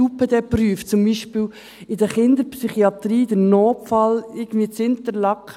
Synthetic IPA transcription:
upəd̥̪ɛpryːft͡sʊmbiːʃpɪːl | ɪdəɾχɪnd̪əɾpsyχiɑt̪ɾiːdəɾnoːpfɑlɪɡən̩dviːət͡sɪnt̪əɾlɑkχ

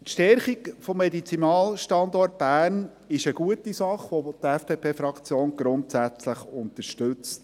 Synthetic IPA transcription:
tʃtɛɾχikfɔmːedit͡sinɑːlʃtɑnd̪ɔrt̚b̥æːrn | ɪʃəɡ̥uətisɑχʋɔd̥̪ɛfd̥epʰeːfɾɑkt͡sjoːnɡ̥ɾʊntsæt͡sləχʊnt̪əʃtɵt͡st

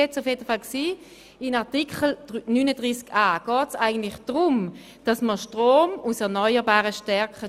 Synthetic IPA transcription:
ɛt͡safjeːdəfalksiː | ɪnaʁtikχl̩nynədʁiːsɡaːɡ̥ɔːtsaɪɡən̩tlɪχd̥ʁʊm | d̥ɑsməʃtʁoːmusɛɐnœʏəʁbaːʁəʃtɛɐkə

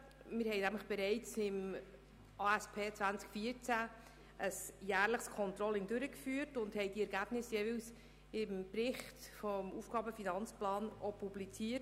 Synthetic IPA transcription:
mɪɾhɛɪnæmləχb̥ɛɾɛɪt͡sɪm | ɑːæspʰeːt͡sʋænt͡skfiəɾt͡sæ | ʔəsjæːɾləχskʰɔnt̪ɾɔlɪŋdʉɾəkfyːəɾtʊndhɛɪdiɛɾɡæb̥nɪsjɛːvɪls | ɪmpɾɪχtfɔmufɡ̥ɑːbəfinɑnt͡splɑːnʔɔpublit͡siːət

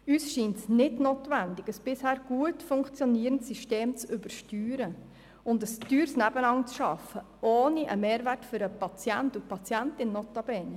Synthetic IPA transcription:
yːsʃiːntnɪdnoːtʋændɪɡəsb̥ɪshæːɾɡ̥uətfʊŋkt͡sjɔniːəɾəntsiʃteːmt͡sʏbəɾʃtyːɾə | ʊndəstyːɾsnæbənɑŋt͡sʃɑfə | oːniʔə̰meːɾværtfʏɾəpɑt͡sjæntupʰɑt͡sjæntɪnːɔtɑb̥eːn

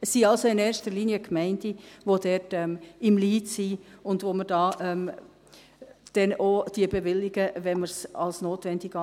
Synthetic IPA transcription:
sːiɑlsoɪnɛːɾʃtəɾliːniəkmɛɪndivodɛtɛmɪmliːtsiːʊndvoːməɾd̥ɑːʔɛm | d̥ɛnʔoːd̥iəbevɪlːɪɡəvɛnməɾsɑlsnoːtvɛndɪɡɑ

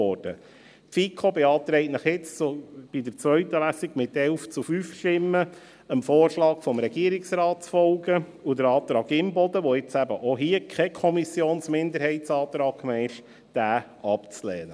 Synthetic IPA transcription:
ɔːɾd̥ə | fikʰobeɑːt̪ɾɛɪtnəχjɪt͡st͡sob̥id̪əɾt͡sʋœʏt̪əlæsiɡmɪt̪ɛlft͡sufyːfʃtɪmːə | əmfoːɾʃlɑːɡfɔmɾɛɡ̥iəɾɪksɾɑːtt͡sfɔlɡə | ud̪əɾɑːt̪ɾɑːɡɪmbɔd̪əʋɔɪt͡sæbəʔoɦiəkʰɛkʰɔmisjoːnsmɪnd̪əɾhɛɪtsɑːt̪ɾɑːkːmɛɪʃ | d̪̥æː | ɑpt͡slɛːnə

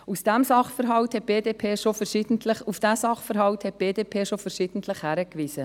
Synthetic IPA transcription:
usd̥æmsɑχfəɾɦɑwthɛt̚b̥eːdeːpʰeːʃofəɾʃid̥ən̩tʰləχufd̥æsɑχfəɾɦɑwthɛt̚b̥eːdeːpʰeːʃofəɾʃiːd̥ən̩tʰləχhæɾəkviːsə

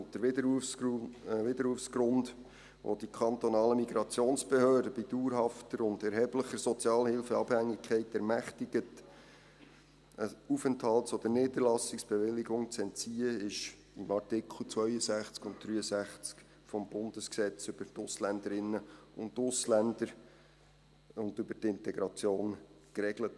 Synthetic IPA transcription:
d̪ə | ʋɪd̪əɾhuːəfsɡɾʊnd | ʋʔo̰d̥ikʰɑnt̪ɔnɑːləmiɡ̥ɾɑt͡sjoːnsb̥ehøːrdəbiduːɾɦɑftəɾʊndɛɾɦɛbləχəɾsɔt͡sjɑːlhɪlfəɑb̥hæŋːɪkʰːɛɪtɛɾmæχtɪɡət | əufənthɑltsɔd̥̪ənɪːdərlɑsɪksb̥eʋɪlːɪɡʊŋt͡sɛntt͡siːəɪʃ | ɪmɑrtɪkʰl̩ˠt͡sʋœʏəzæχt͡skʊnt̚d̥ɾyːəsæχt͡sk | fɔmb̥ʊndəsksɛt͡sʏb̥əɾtʊslændəɾɪnːəʊntʊslændəɾ | ʊndʏbəɾtɪntɛɡɾɑt͡sjoːn | kɾɛɡlət

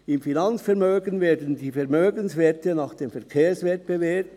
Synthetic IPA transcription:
ɪmfinant͡sfɛɾmøːɡənveːdən̩diːfɛʁmøːɡənsveːtənaːχd̥eːmfɛʁkʰeːsvɛt̚b̥evɛːɐt

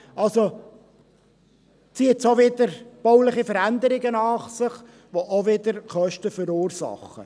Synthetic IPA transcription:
ɑlso | t͡siətsoʋɪd̪əɾb̥ɔwlɪχifəɾænd̪əɾɪɡənɑːχsɪχ | ʋoʔoʋɪd̪əɾχœʃtəfəɾuːrsɑ̰χːə̰

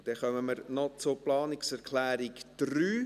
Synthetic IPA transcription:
d̥ɛχœməməɾnɔt͡sʊplɑːnɪksɛɾkʰlæːɾɪkd̥ryː

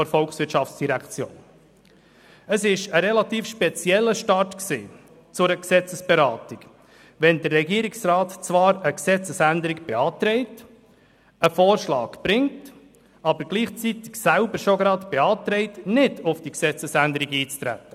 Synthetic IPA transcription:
ɔɾfɔlksʋɪtʃɑft͡ssd̥iɾækt͡sjo̰ːn | əsɪʃəɾɛlɑt̪iːfʃpɛt͡sjɛlːəʃtɑɾtksḭː | t͡sʊɾəksɛt͡səsb̥eɾɑːtɪɡ | ʋɛnd̪ərːɛɡiːɾɪksrɑːtt͡svɑːɾəksɛt͡səsænd̪əɾɪkb̥eɑːtɾɛɪt | əfoːrʃlɑ̰ːɡb̥ɾɪŋt | ɑbəɾɡ̥liːχt͡sitɪ̥ksælbəɾʃoɡɾɑd̪b̥eɑːt̪ɾɛɪtnɪdʊfd̥iksɛt͡səsændəɾiɡiːt͡stɾæ̰tːə

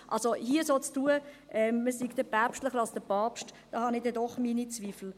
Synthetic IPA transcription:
ʔɑ̰lsohiəsot͡stuːə | ʔɛmməsiɡd̥əb̥æpʃtləχəɾɑlsd̥əpʰɑːpʃtd̥ɑːhɑnɪdɛdɔχminit͡sviːfl̩

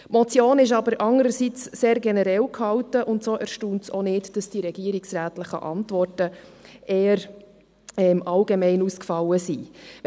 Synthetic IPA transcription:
mɔt͡sjoːnɪʃɑbəɾʔɑŋəɾəsit͡sseːɾɡɛnɛɾɛlkhɑwtəʔʊntsoːʔæɾʃtuːntsonɪtd̥ɑsd̥iɾɛɡ̥iəɾiksɾæːtləχə̰ʔɑntʋɔrtəʔeːəɾ | ɛmʔɑlɡemɛɪnuskfɑlːəsi

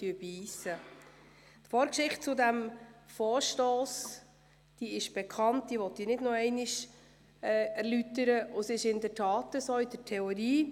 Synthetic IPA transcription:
tyəbiːsə | t̪foːɾkʃɪχt̚t͡sʊdæmfoːɾʃtoːs | d̥iːɪʃb̥ɛkʰɑnt̚d̥̪iːʋɔtːiːnɪdnɔɛɪnɪʃ | ɛæɾlytəɾəʔʊsɪʃɪndəɾtʰɑːtəsoːɪdəɾtʰɛɔɾiː

